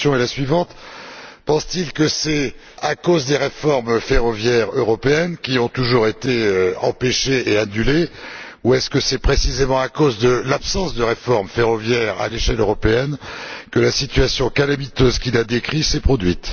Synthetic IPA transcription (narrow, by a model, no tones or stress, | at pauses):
jɔ̃elasɥivɑ̃t̪pɑ̃st̪ilkəsɛ | akozd̪eʁefɔʁmfeʁɔvjɛʁøʁɔpeɛnkʲiɔ̃t̪uʒuʁet̪eøɑ̰̃peʃeeanyle | uɛskəsɛpχesizemɑ̃akozd̪əlapsɑ̃sd̪əʁefɔʁmfeʁɔvjɛʁa̰leʃɛløʁɔpeɛnkəlasit̪ɥasjɔ̃kalamit̪øzkʲilad̪ekχisɛpχɔd̪ɥit̪